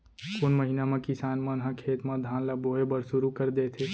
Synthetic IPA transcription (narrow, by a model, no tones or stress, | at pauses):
kʊnməɦinamẽkɪsaːnmənɦəkʰeːt̪mə̃d̪ʱãːnləbʱoːebəɾsʊɾukəɾd̪eːt̪ʰe